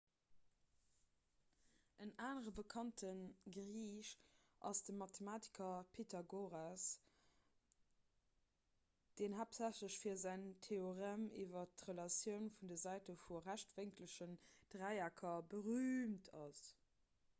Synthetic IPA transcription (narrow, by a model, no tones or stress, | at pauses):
ʔənaːnəʁəbəkʰɑntʰənɡʁiːʃʔɑ̰sd̥əmɑtʰemaːti̥kʰɐpʰetʰɑɡoʁas | d̥eːnɦaːpzæɕləɕfiːɐzæɪntʰeoʁɛmiːvɐtʁəlɑsjəʊnfundəzæɪtəfuʁæʃtveŋkləʃənd̥ʁæɪakʰɐbəʁyːmtʰɑs